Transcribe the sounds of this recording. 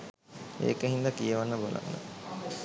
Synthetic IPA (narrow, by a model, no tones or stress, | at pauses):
ḛːkəɦind̪əkijəʋanːəbola̰nːə̰